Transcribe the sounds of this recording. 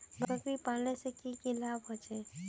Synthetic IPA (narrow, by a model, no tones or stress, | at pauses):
bəɾəkɾipaːlnesekikilabɦot͡ʃeː